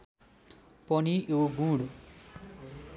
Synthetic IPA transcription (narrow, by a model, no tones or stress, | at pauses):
pɔniʔeɡũːɽ